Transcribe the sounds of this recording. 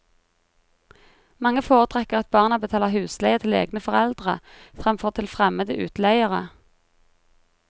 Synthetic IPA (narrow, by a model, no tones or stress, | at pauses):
mɑŋəfoːʁət̪ʰʁɛkəʁɑt̪̚bɑːʁnɑbət̪ʰɑːləʁhʉːslæɪət̪ʰɪlḛːɡnəfɔʁɛld̪ʁə̰ | fʁɛmfɔʁt̪ʰɪlfʁɛməd̪əʔʉ̰ːt̪læɪəʁə̰